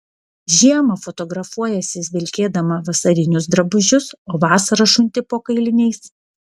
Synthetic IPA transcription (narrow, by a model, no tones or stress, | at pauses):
ʒʲiɛmɐfɔt̪ɔɡɾɐfuɔjɛsʲɪzʲʋʲɪlʲkʲeːd̪ɐmɐʋɐsɐɾʲɪnʲʊsd̪ɾɐbʊʒʲʊsoːʋɑːsɐɾɐʃʊnʲt̪ʲɪpoːkɐɪlʲɪnʲɛɪs